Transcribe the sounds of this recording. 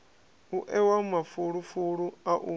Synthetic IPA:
uʔɛwamafuɺufuɺuaʔu

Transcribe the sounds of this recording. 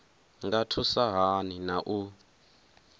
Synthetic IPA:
ŋɡatʰusaɦaninaʔu

